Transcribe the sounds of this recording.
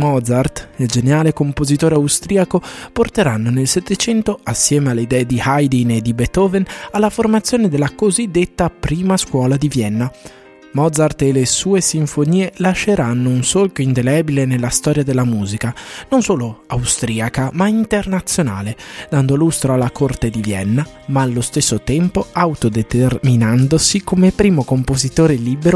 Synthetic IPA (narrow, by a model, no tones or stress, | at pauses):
mɔd̪zart̪ild͡ʒeneaːlekompozit̪oːɾeawst̪ɾiːakoport̪eɾanːonelset̪ːet͡ʃɛnt̪oasːjɛːmealːeid̪ɛːed̪ihajd̪ined̪ibɛt̪ɔːvenalːaformat̪sːjoːned̪elːakozid̪ːet̪ːapɾiːmaskwɔːlad̪ivjɛnːa | mɔd̪zart̪elesuːesiɱfoniːelaʃːeɾanːounsolkoind̪elɛbilenelːast̪ɔːɾjad̪elːamuːzikanonsoːloawst̪ɾiːakamaint̪ernat̪sːjona̰ːled̪and̪olust̪ɾoalːakort̪ed̪ivjɛ̰nːa | maːlːost̪esːot̪ɛmpoawt̪od̪et̪erminand̪osikomepɾiːmokompozit̪oːɾeliːbeɾo